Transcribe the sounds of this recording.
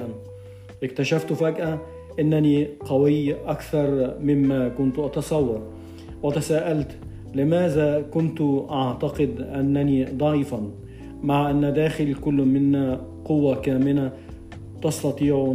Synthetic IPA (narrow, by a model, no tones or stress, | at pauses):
ʔan | ʔɪkt̪aʃaft̪faɡʔa | ʔɪnːaniːqɑwɪjːʔakθɑɾˤmɪmːaːkʊnt̪ʔɑt̪ɑsˤɑwːɑɾˤ | wɪt̪asaːʔalt̪ | lɪmaːðaːkʊnt̪ʔɑʕt̪ɑqɪd̪ʔanːaniːd̪ˤɑʕiːfan | maʕʔanːad̪aːxɪlikʊlːmɪnːa | qʊwːakaːmɪna | t̪ɑst̪ɑt̪ˤiːʕ